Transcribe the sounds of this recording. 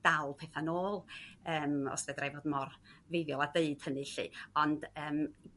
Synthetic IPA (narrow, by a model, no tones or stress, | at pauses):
d̥alˠpʰɛːθanoːlˠəːmɔ̰sɛdrajvoːdmɔrvejvjɔlˠadeɨd̥hənɨɬɨ̰ɔnd̥əːm